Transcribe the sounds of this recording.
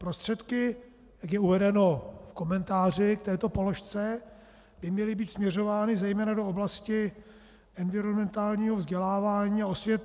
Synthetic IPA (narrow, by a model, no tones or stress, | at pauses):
pɾo̞st̪r̥ɛt̪kɪ | j̪akjɛuvɛdɛno̞fko̞mɛnt̪aːr̝ɪk̚t̪ɛːt̪o̞po̞lo̞ʃt͡sɛ | bɪmɲɛlɪbiːt̪smɲɛr̝o̞vaːnɪzɛjmɛːnadooblascɪ | ɛnvɪɾonmɛnt̪aːlɲiːɦovzɟɛlaːvaːɲiːaosvjɛt̪